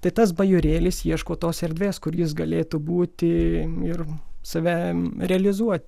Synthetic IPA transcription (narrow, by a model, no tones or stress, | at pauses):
t̪ɐɪt̪ɐs̬bɐjʊɾʲeːlʲɪsjiɛʃkoːt̪oːsɛɾʲd̪ʲʋʲeːskʊrjɪs̬ɡɐlʲeːt̪uːbuːt̪ʲɪɪrsɐʋʲæɾʲɛɐlʲɪzuɔt̪ʲ